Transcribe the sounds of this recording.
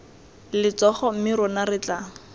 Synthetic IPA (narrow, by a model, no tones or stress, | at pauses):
lɪt͡sɔχɔm̩mɪɾɔnarɪt͡ɬaŋʊ